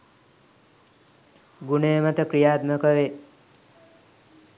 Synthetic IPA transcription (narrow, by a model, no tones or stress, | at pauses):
ɡuneːmɐt̪əkɾijaːt̪məkəʋe